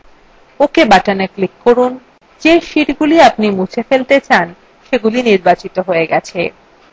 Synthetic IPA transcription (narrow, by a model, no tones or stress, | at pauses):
okebaʈaneklikːoɾun | d͡ʑeʃiʈɡuliapnimut͡ɕʰefelt̪et͡ɕan | ʃeɡuliniɾbat͡ɕit̪oɦoeɡɛt͡ɕʰe